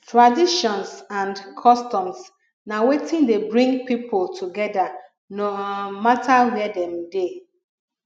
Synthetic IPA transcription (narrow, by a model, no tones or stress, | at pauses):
tɹadiʃɔ̃nsãndkʰɔstɔ̃ms | nawetɪ̃ndebɹĩŋɡpipʰʊltʰuɡɛda | nomatʰawɛdɛ̃mde